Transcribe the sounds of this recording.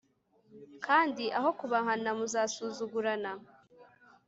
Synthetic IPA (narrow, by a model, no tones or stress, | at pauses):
kaːndiʔaɦo̞kuβaŋhanamuzaːsuːzuɡuɾana